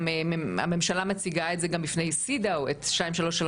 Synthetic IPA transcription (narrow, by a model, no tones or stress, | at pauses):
a̰me̞mʃalamet͡siɡaetzeɡambifnejsidawetʃtaimʃalo̞ʃal